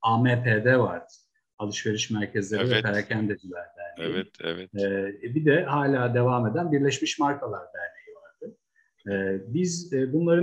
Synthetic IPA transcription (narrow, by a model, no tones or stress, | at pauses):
ameːpʰeːd̪ɛva̰ɾd̪ɯ̥ | alˠɯʃve̞ɾiʃmæɾcʰɛzlʲe̞ɾivɛt̪ʰeɾacʰænd̪ɛd̪ilʲæɾd̪ʲæɾd̪ejiɛːbid̪ɛhaːlʲaːd̪e̞vaːme̞d̪ænbiɾlʲeʃmiʃmaɾkʰalˠaɾb̪æɾlʲejivaɾd̪̥ɯ | ɛːbizbunlˠaɾɯ